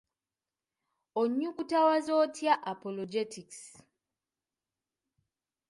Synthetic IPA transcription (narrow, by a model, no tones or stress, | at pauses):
oɲːukutawazotʰjaʔapolod͡ʒetiks